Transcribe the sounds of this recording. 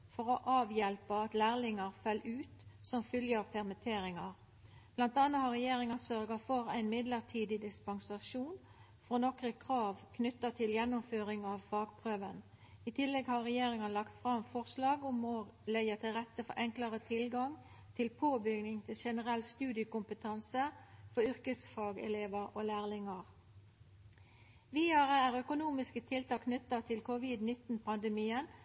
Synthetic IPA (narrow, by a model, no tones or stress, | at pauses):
fɔʁɔʔɑːʋjɛlpəɑt̪læːʁlɪŋɑʁfœlʔʉːt̪sɔmfʏljəʁpʰɛʁmɪt̪ʰeːɾɪŋɑʁ | b̥lɑnt̪ɑnːəhɑɾʁɛjeːɾɪŋɑsœʁɡɑfɔɾæ̰ɪnmɪd̪ləʁʈʰiːd̪ɪd̪ɪspɑnsɑʃuːn | fɾoːnɔkʁəkʰʁɑːʋkʰnʏt̪ːɑt̪ʰɪljɛnːʊmføːʁɪŋɑʋfɑːɡpʰʁøːʋən | ɪt̪ʰɪlːɛɡhɑʁɛjeːɾɪŋɑlɑkt̪fʁɑmfɔʁslɑːɡʊmɔlɛət̪ɪlʁɛt̪ːəfɔɾʔɛŋkləʁət̪ʰɪlɡɑŋ | t̪ʰɪlpʰoːbʏɡnɪŋt̪ʰɪlʃɛnəʁɛlst̪ʉːd̪ɪəkʊmpət̪ʰɑnsəfɔʏʁkəsfɑːɡɛ̰leːʋəʁoːlæːʁlɪŋɑʁ | ʋiːɑʁəæːʁœkʊnuːmɪskət̪ʰɪlt̪ɑkʰnʏt̪ːɑt̪ʰɪlkʰʊʋɪd̪nɪt̪ːn̩pʰɑnd̪əmiːən